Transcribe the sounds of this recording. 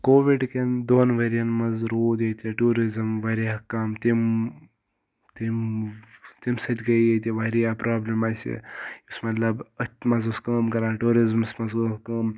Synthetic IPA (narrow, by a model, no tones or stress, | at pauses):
koːʋiɖkend̪oːnʋɐɾijɐnmɐzɾoːd̪et̪ʰʲeʈuːɾizɐmʋɐɾiakɐːmt̪im | t̪im | t̪imsɐt̪ʲɡɐjjet̪ʲiʋɐɾijaːpɾaːblemaːsḛjusmɐt̪lɐbɐt̪ʲmɐzuskɐːmkɐɾaːʈuːɾizmsmɐzkɐːm